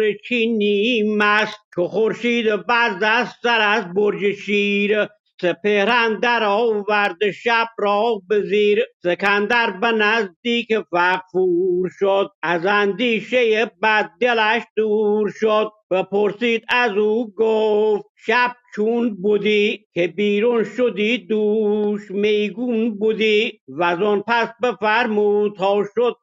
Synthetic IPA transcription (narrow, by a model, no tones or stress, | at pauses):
ɾet͡ʃʰinimæst̪̚t͡ʃʰoχoɾʃiːd̪ebæzæzsæɾæzboɾd͡ʒeʃiːɾe | sepehɾænd̪æɾɒːvæɾd̪eʃæb̥̚ɾɒːbeziːɾsekʰænd̪æɾbenæzd̪iːkefæqfuɾʃod̪̚æzænd̪iːʃejebæd̪̚ːelæʃd̪uːɾʃod̪̚bæpʰoɾsiːd̪æzuːɡoft̪ʃæb̥̚t͡ʃʰunbud̪iːkʰebiːɾunʃod̪iːd̪uːʃmejɡunbud̪iːvæzɔnpʰæsbefæɾmuːt̪ʰɒːʃod̪̥̚